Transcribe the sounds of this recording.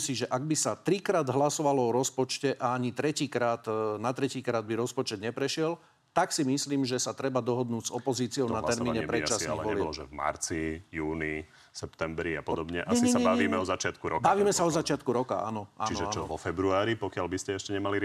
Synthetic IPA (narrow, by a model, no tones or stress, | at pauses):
siʒɛʔaɡ̚bisat̪ɾikɾaːd̪ɦlasɔʋalɔɔɾɔspɔt͡ʃcɛʔaaɲit̪ɾɛciːkɾaːt̪nat̪ɾɛciːkɾaːd̪̚biɾɔspɔt͡ʃɛd̪ɲɛpɾɛʃɪɛl | t̪aksimisliːmʒɛsat̪ɾɛbad̪ɔɦɔd̪nuːɟzɔpɔziːt͡siɔʊnat̪ɛɾmiːɲɛɛpɾɛt͡ʃasaɔɛlbɔlɔʒɛ̰vma̰ɾt͡sijuːni | sɛpt̪ɛmbɾia̰pɔd̪ɔbɲɛʔasisabaʋʋiːmɛɔzat͡ʃɪat̪kuɾɔ̰kkbaʋiːmɛsaɔzat͡ʃɪat̪̚kuɾɔka̰a̰nɔʔa̰t͡ʃniʒɛat͡ʃɔʋɔfɛbɾuaːɾipɔkɪalbiscɛɛʃcɛɲɛmaliɾ